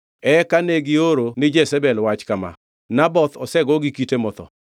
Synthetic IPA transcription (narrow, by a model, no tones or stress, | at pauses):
ɛkaneɡɪoɾonɪd͡ʒɛsɛbɛlwat͡ʃkama̰ | nabɔt̪ɔsɛɡɔɡikitemɔt̪ɔ̰